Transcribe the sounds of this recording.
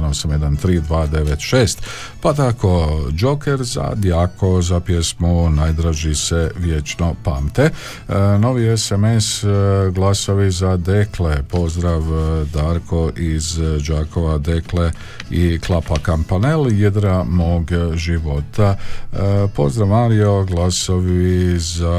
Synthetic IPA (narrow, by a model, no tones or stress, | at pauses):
nosamjed̪ant̪ɾiːd̪ʋaːd̪e̞ʋet̪ʃe̞ːst̪ | pat̪ako̞d͡ʒo̞keɾza̰d̪jakʰo̞zapjesmunaːjd̪ɾaʒise̞ʋjet͡ʃno̞paːmt̪e | no̞ʋiesemesɡlˠasoʋizad̪eklepo̞zd̪ɾaʋd̪aːɾkʰo̞ʔizd͡ʒaːkoʋad̪ekle | iklˠapakampaneljed̪ɾamoːɡʒiʋo̞t̪a | po̞̰zd̪ɾaʋmaɾijo̞ɡlˠaso̞ʋiza